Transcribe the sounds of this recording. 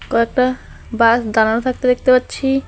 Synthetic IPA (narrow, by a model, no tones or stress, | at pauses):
koɛk̚ʈa | basd̪ananot̪ʰak̚t̪ed̪ek̚ʰt̪epatːɕʰi